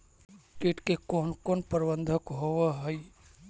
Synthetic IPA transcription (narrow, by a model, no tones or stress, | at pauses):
ʈeːʈkekoːnkoːnpəɾbə̃nd̪ʱəkɦowaɦəi